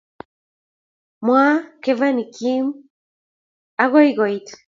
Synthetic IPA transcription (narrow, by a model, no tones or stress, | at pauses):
mwakevanikʰim | aɣojɡɔjt̪